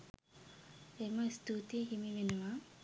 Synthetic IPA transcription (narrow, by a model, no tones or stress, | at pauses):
eməst̪ut̪ijeɦimiʋenuʋa